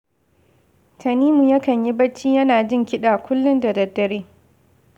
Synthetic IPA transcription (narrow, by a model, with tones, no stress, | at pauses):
tʰɐ˨niː˦mu˨jɐ˦kɐ˨ɲji˦bɐ˦t͡ʃːiː˦jɐ˦naː˨d͡ʒɪ˦˨ŋkʲɪ˦ɗaː˨kʷʊ˦lːʊ˦ndɐ˨dɐ˨dːɐ˨ɾeː˦